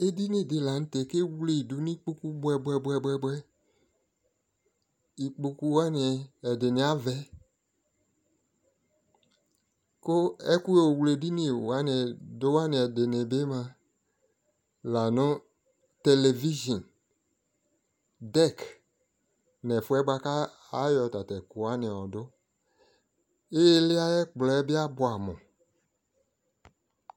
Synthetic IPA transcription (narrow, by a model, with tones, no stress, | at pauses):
e˦di˦nẽ˨de˨la˨n̩˦t̪e˨ke˦wle˨i˨du˦nĩ˦k͡pu˦ku˦bwɛ˨bwɛ˨bwɛ˨bɛ˦bwɛ˦ | i˨k͡pu˨ku˦wa˦n˨ɛ˨ɛ˨de˨ne˨a˦vɛ˨˦ | ko˦ɛ˦ku˦o˦˨wle˨di˦nẽ˨wa˦n˨ɛ˨do˦wa˦ne˨ɛ˨de˨nẽ˨be˦mã˨ | la˨nʊ̃˦ | te˨le˨vi˦ʒɔ˨n | dɛ˦˨k | nɛ˨fʊ˦ɛ˦ɡ͡ba˦ka˦ | a˦jɔ˨ta˨tɛ˨ku˨wa˦nɪ̃˨ɔ˨dʊ˦ | e˦je˦lɪ˦a˦jɛ˦k͡plɔ˨˦ɛ˦bɪ˦a˦bʊ˨a˨mʊ̃˨